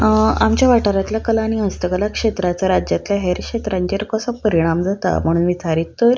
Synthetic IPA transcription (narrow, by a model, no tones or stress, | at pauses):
amt͡ɕjaʋaʈaɾat̪ljakəlaːɽ̃iəst̪əkəlakʂet̪ɾat͡saɾad͡ʑjat̪ljaɦeɾkʂet̪ɾaɲd͡ʑeɾkəsəpəɾiɽ̃amd͡zat̪a̰m̤əɽ̃uːnʋit͡saɾit̪ːəɾ